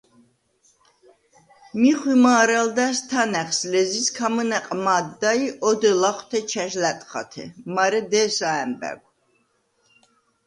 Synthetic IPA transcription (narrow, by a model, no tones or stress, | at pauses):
miχwimaːɾald̪æst̪ʰanɛχslɛziskʰamənɛqʼmaːd̪ːaiʔɔd̪ɛlaχwt̪ʰɛt͡ʃʰɛʒlæt̪ʼχa̰t̪ʰɛ̰maɾɛd̪ɛːsaɛmbɛ̰ɡ̚ʷ